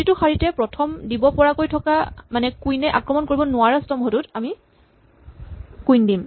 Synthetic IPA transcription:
itʊxaɹitɛpɹɔtʰɔmdibɔpɔɹakojtʰɔkamanɛkujnɛʔa̰kɹɔmɔnkoɹibɔnʊaɹastɔmɦodutami | kujndim

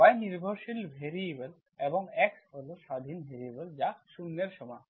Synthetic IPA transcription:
ajniɾbʱoɾʃilbʱeɾibel | eboŋɛkholoʃad̪ʱinbʱeɾibeld͡ʑaʃunːeɾʃɔmɔj

